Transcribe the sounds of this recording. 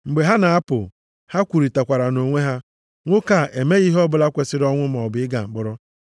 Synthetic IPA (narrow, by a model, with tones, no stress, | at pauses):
ŋ͡m̩˨ɡ͡be˨ɦa˦na˨a˦pʊ̰˨ | ha˦kʷu˨ɾi˨ta˨kʷa˨ɾa˨no˨ŋʷe˦ɦa˦ | ŋʷʊ˦ka˨ʔe˨me˦ɣi˦ɦɔ˦bʊ˨la˦kʷe˨sɪ˦ɾɔ˦ŋʷʊ˦m˨ɔ˨bɪ˨ɪ˦ɡa̰˨ŋ͡m̩˨ɡ͡bʊ˨ɾɔ˦